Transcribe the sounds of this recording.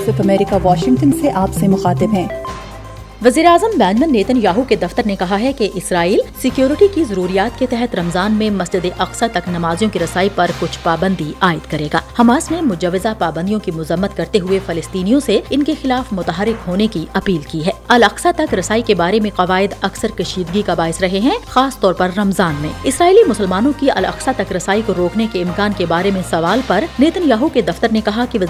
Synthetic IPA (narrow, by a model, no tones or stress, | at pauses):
səfɐmɛːɾɪkaʋaːʃɪ̃ŋʈənseʔaːpsemʊxaːt̪ɪbɦɛ̃ː | ʋɐziːɾeaːzəmbɛ̃ːd͡ʒmə̃nːeːt̪ənjaːɦuked̪ɐft̪əɾnekɐɦaɦɛkeʔɪsɾaːiːlsɪkjoːɾɪʈikizɐɾuːɾijaːt̪ket̪ɛɦɛt̪ɾɐmzaːnmẽmɐsd͡ʒɪd̪eʔɐqsat̪ɐknɐmaːzijõkiɾɐsaːipɐɾkʊt͡ʃʰpaːbə̃nd̪iaːɪd̪kɐɾeːɡa̰ːhɐmaːsnẽmʊd͡ʒɐʋːɪzapaːbə̃nd̪ijõkimʊzəmːət̪kɐɾt̪eɦʊefɐlɪst̪iːnijõseɪnkexɪlaːfmʊt̪aɦaːɾɪkɦoːnekiʔɐpiːlkiɦɛːɐlɐqsat̪ɐkɾɐsaːikebaːɾemẽqɐʋaːɪd̪ɐksəɾkɐʃiːd̪ɡikabaːɪsɾɐɦeɦɛ̃xaːst̪ɔːɾpɐɾːɐmzaːnmḛ̃ːɪsɾaːiːlimʊsəlmaːnõkiɐ̰lɐ̰qsat̪ɐkɾɐsaːikoɾoːknekeɪmkaːnkebaːɾemẽsɐʋaːlpɐɾneːt̪ənjaːɦuked̪ɐft̪əɾnekɐɦakiʋɐ